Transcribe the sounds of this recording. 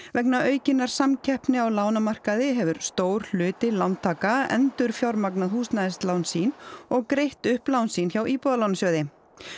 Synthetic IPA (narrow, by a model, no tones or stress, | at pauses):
vɛknaʔœːɥcɪnːaɾ̥samcʰɛhpnɪawlaːwnamar̥kaðɪɦɛvʏɾ̥st̪oːwɾ̥l̥ʏːt̪ɪlawnt̪ʰːaːkaɛ̰nt̪ʏɾ̥fjawɾmaknaðhuːst̪naðɪst̪lawnsiːnɔɣkɾejht̪ʏhplawnsiːnçawʔiːpɔðalaːwnasjœːðɪ